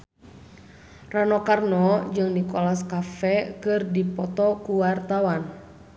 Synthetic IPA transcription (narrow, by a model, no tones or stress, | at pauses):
ranɔkarnɔd͡ʒɨŋnikɔlaskafɛkɨrdipɔt̪ɔkuwart̪awan